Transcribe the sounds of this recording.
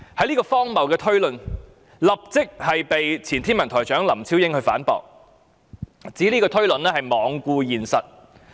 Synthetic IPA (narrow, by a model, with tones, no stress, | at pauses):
hɐ˨˥jliː˥kɔː˧fɔː˥ŋmɐ˨˩wkɛː˧t̪ʰɵ˥ɥlɵ˨n | lɐ˨p̚t͡sɪ˥k̚hɐ˨jpe˨jt͡sʰiː˨˩nt̪ʰiː˥nmɐ˨˩nt̪ʰɔː˨˩jt͡ʃœː˨˥ŋlɐ˨˩mt͡sʰiː˥wjɪ˥ŋhɵ˧ɥfa̰ː˨˥npɔ̰ː˨k̚ | t͡siː˨˥liː˥kɔː˧t̪ʰɵ˥ɥlɵ˨nlɛː˥hɐ˨jmɔː˨˧ŋkʷuː˧jiː˨nsɐ˨t̚